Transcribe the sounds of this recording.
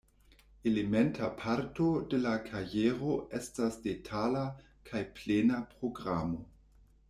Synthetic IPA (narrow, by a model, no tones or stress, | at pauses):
elementʰapʰaɾto̞de̞lakʰajeɾo̞e̞stasdetʰala | kʰajplenapʁo̞ɡɾamo̞